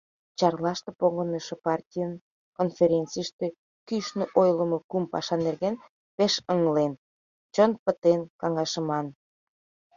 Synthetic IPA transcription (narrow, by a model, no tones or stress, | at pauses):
t͡ɕɑrlɑʃt̪epoɣənəʃĕpɑrtʲijən | konfʲeɾʲent͡sijʃt̪e | kyʃnøʔojlə̆mokumpɑ̰ʃɑnerɣen | peʃəŋəlen | t͡ɕonpət̪enkɑŋɑʃə̆mɑn